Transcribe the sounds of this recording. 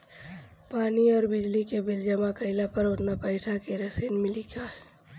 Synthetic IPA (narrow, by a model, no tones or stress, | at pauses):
paːniɔːɾbɪd͡ʒlikebɪld͡ʒəmakəɪlapəɾʊʈ̪napəɪsakeɾəsəːnmɪliɡaːɦɛ